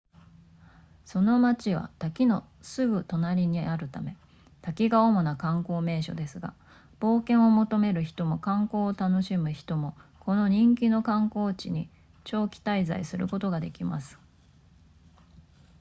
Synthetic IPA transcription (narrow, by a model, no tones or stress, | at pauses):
so̞no̞mat͡ɕiβ̞a̰t̪akʲino̞ | sɨɡɯ̟t̪o̞naɾʲiɲ̟iʔaɾɯ̟t̪ame̞ | t̪akʲiɡaomo̞nakãŋko̞ːme̞ːɕo̞̰d̪e̞sɨɡa̰ | b̥o̞ːkẽ̞ɰ̃o̞mo̞t̪o̞me̞ɾɯ̟çi̥t̪o̞mo̞kãŋko̞ːt̪ano̞ɕimɯ̟çi̥t̪o̞mo̞ko̞no̞ɲ̟ĩŋkʲino̞kãŋko̞ːt͡ɕḭɲ̟i | t͡ɕo̞ːkʲi̥t̪aiza̰isɨɾɯ̟ko̞t̪o̞ɡad̪e̞kʲimasɨ̥